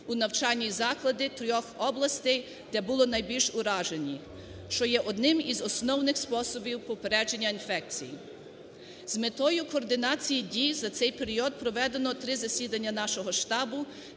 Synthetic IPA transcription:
unɐwt͡ʃɑlʲːizɑklˠɐd̪ɪt̪ɾʲɔxɔblˠɐst̪ɛj | d̪̥ɛbʊlˠɔnɐjbʲilʲʃʊɾɑʒenʲi | ʃt͡ʃɔjɛʔɔd̪nɪmizɔsnɔwnɪxspɔsɔbʲiwpɔpeɾɛd͡ʒenʲːɐinfɛk̚t͡sʲiji | zmet̪ɔjʊkɔːrd̪ɪnɑt͡sʲijidʲizɐt̪sɛjpeɾʲiɔd̪̚pɾɔʋɛd̪enɔt̪ɾɪzɐsʲid̪ɐnʲːɐnɑʃɔɦɔʃt̪ɑbʊ

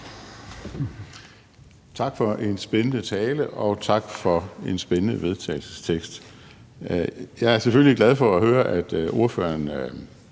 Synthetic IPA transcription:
t͡sʰɑ̈ɡ̥fɒ̽ʔe̝nsb̥enənət͡sʰɛːləʔɒ̽t͡sʰɑ̈ɡ̥fɒ̽e̝nsb̥enənəʋe̝ð̞ˠt͡sʰɛ̰ːɪl̩sə̥st͡sʰeɡ̥sd̥ | jɑ̈ɪæɐsefølliɡ̥læð̞ˠfɒ̽æhøːɐʔæd̥o̝ɐfø̰ːɐn

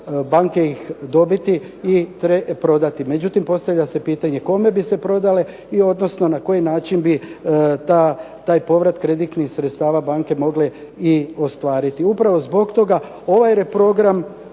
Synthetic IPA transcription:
baːŋke̞ixd̪o̞bit̪i | it̪ɾepɾo̞d̪at̪ime̞d͡ʑut̪impo̞st̪aʋlʎase̞piːt̪aɲe̞ko̞me̞bise̞pɾo̞d̪ale̞ | io̞d̪no̞sno̞nako̞jinaːt͡ʃinbit̪a | t̪aːjpo̞ʋɾat̪kɾe̞d̪it̪nixsɾet̪st̪aːʋabaːŋke̞mo̞ɡle | io̞st̪ʋaːɾit̪iupɾaʋo̞zbo̞ɡt̪o̞ɡa | o̞ʋajɾe̞pɾo̞ɡɾam

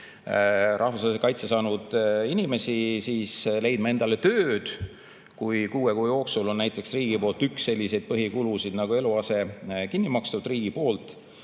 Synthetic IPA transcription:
ɾʔɑhvusɑːlis̬ekɑjt̪sesɑːnud̪̥inʲime̞sisiːsle̞jd̪̥mɑe̞nd̪̥ɑle̞t̪øːd̪̥ | kujkuːekujo̞ːksulo̞nnæjt̪ːˑe̞ksriːɡ̥ipo̞ːlt̪yksːe̞lʲːise̞jd̪̥̚pɤɦikulusid̪̥nɑɡ̥ue̞luɑse̞kinːimɑkst̪ud̪̥riːɡ̥ipo̞ːlt̪ˑ

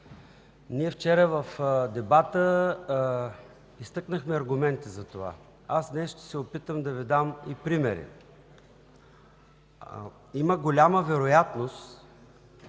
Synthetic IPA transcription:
niɛft͡ʃɛɾəvəfd̪ɛbat̪ə | ist̪ɤknəxmɛɐɾɡʊmɛnt̪izɐt̪ova̰ | asnɛsʃt̪ɛ̥sɛopit̪əmd̪ɐvid̪amipɾimɛɾḭ | iməɡolʲaməvɛɾojat̪nost̪

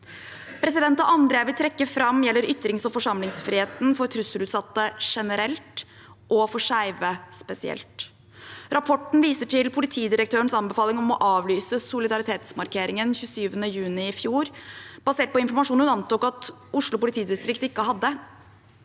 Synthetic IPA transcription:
pʰɾɛsɪd̪ɛnt̪ɑʔɑnd̪ɾeːʋɪlt̪ʰɾɛkːəfɾɑmːjɛlːəɾʏt̪ːɾɪŋsɔfɔʂɑmlɪŋsfɾiheːt̪nfɔɾt̪ʰɾʉsəlʉːt̪sɑt̪ːəʂɛnəɾɛlt̪ | ʔɔfɔʂæɪʋəspɛsɪɛ̰lt̪ | ɾʔɑpʰɔʈːɳ̩ʋiːsəʈɪlpʰʊlɪt̪ʰiːd̪ɪɾək̚t̪ʰøːəɳsɑnbɛfɑːlɪŋɔmɔʔɑːʋlyːsəsʊlɪd̪ɑɾɪt̪ʰeːt̪smɑɾkʰeːɾɪŋənçʉːsyːʋənəjʉːnɪɪfjuːɾb̥ɑseːʈ̚pɔɪnfɔɾmɑʂuːnʉnɑnt̪uːkɑt̪ʊʂɭʊpʊlɪt̪ʰiːd̪ɪst̪ɾɪkt̪ɪkːəɦɑd̪ːə

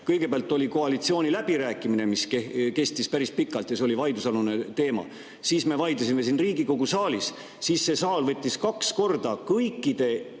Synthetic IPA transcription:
kɤjɡ̥e̞peæɑlt̪ːˑo̞lʲiko̞ɑlit̪sio̞ːnʲilæb̥iɾæːkːˑimine̞miskeke̞st̪ispæɾispikːˑɑlt̪jɑseolivɑjd̪usɑlune̞t̪e̞ːmɑ̰ | siːsme̞vɑjd̪ɑsime̞sinriːɡ̥iko̞ɡ̥usɑːlis | siːsːe̞sɑːlvɤt̪ʲˑːiskɑksko̞rd̪̥ɑkɤjkːˑid̪̥e̞

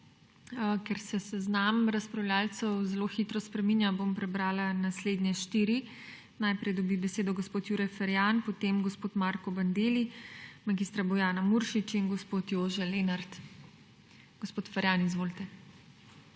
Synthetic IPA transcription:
kɛɾsɛsɛznamɾaspɾawlʲjaːlt̪sɛwzɛloːxit̪ɾɔspɾɛminjabompɾɛbɾaːlanasleːd̪nʲjɛʃt̪iːɾi | najpɾɛjd̪ɔbibɛseːd̪ɔɡospoːt̪juːɾɛjfɛɾjanpɔt̪emɡospoːt̪maɾkɔband̪eːlimaɡist̪ɾabɔjaːnamuɾʃit͡ʃinɡospoːt̪joːʒɛleːnaɾt̪ | ɡ̥ospoːt̪fɛɾjanizʋoːlit̪ɛ

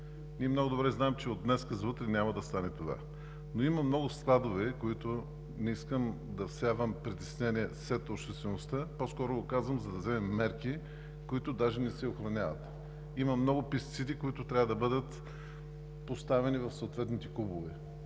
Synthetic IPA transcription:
nʲiɛmnɔɡʊd̪obɾɛznaɛmt͡ʃɛod̪d̪nɛskəzvət̪ɾɛnʲamɐd̪ɐst̪anɛt̪ova̰ | noimɐmnɔɡʊsklˠad̪ovɛkoit̪ʊ | nɛiskəm | d̪ɐfsavəmpɾit̪ɛ̥snɛniɛsɾɛt̪opʃt̪ɛst̪vɛnost̪əpɔskɔɾʊɡokazvəmzɐd̪ɐzɛmɛmːɛɾki | koit̪ʊd̪aʒɛnɛsɛoxɾɐnʲavɐ̰t̪ | imɐmnɔɡʊpist̪it̪sid̪ikoit̪ʊt̪ɾʲavəd̪ɐbɤd̪ət̪ | post̪avɛnivɐfsoot̪vɛt̪nit̪ɛkubovɛ

